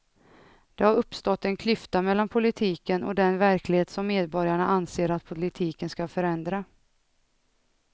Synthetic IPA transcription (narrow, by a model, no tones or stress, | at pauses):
d̪̥ɛhaɾɵpːst̪ɔt̪ːɛnkʰlʏft̪amɛlːanpʰʊlɪt̪ʰiːkənɔ̰d̪ɛnvæɾklɪheːt̪sɔmːeːd̪bɔɾjaɳaʔanseːɾat̪pʰʊlɪt̪ʰiːkənskafœɾɛnd̪ɾa